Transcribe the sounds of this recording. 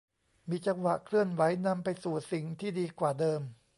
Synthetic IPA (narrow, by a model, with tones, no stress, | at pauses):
miː˧t͡ɕa˧ŋwa˨˩ʔkʰlɯ˥˩ənwa˩˦˥jna˧mpa˧jsuː˨˩si˨˩ŋt̪ʰiː˥˩diː˧kwaː˨˩dɤː˧m